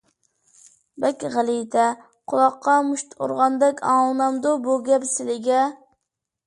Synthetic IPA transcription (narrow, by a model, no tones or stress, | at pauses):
bɛkʲʁælˠijt̪ʰɛ | qʰʊlˠɑqːɑmuʃt̪o̰ɾʁɑnd̪ɛkʲɑːlˠnɑmd̪ʊbuɡʲɛpsɪlɪɡʲɛ